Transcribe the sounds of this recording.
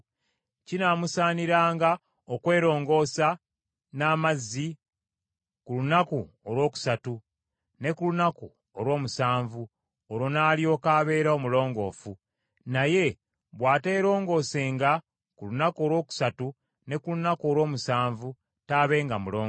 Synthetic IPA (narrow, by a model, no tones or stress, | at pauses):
cinaːmusaːniɾaːŋɡa | okwe̞ːɾo̞ːŋɡo̞sa | naːmazːi | kulunaku | olwo̞ːku̥satu | ne̞kulunaku | olwo̞ːmusaːɱvu | oɾo̞naːljo̞ːkaːβe̞ːɾao̞mulo̞ːŋɡo̞̰ːfu | naje̞ | βwaːte̞ːɾo̞ːŋɡo̞se̞ːŋɡa | kulunako̞lwo̞ːku̥satu | ne̞kulunako̞ːlwo̞ːmusaːɱvu | taːβe̞ːŋɡamuloː